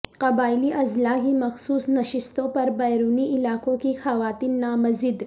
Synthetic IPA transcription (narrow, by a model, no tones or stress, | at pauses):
qɐbaːɪliʔɐzlaːɦimɐxsuːsnɐʃɪst̪õpɐɾbɐjɾuːniʔɪlaːkõkixɐʋaːt̪iːnːaːmɐzid̪